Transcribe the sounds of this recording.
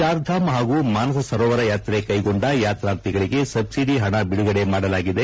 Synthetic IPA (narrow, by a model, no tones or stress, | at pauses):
aːɾd̪ʱaːmɦaːɡuːmaːnɐsɐsɐɾoːʋɐɾɐjaːt̪ɾe̞kɐjɡo̞ɳɖɐjaːt̪ɾaːnt̪iɡɐɭiɡe̞sɐbsiɖiɦɐɳɐbiɽuɡɐɽe̞maːɽɐlaːɡid̪e̞